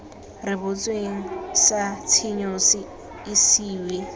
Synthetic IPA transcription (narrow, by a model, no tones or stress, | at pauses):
rɪβʊt͡sʼweŋ̩sat͡sʰiɲosɪ | ɪsiːwe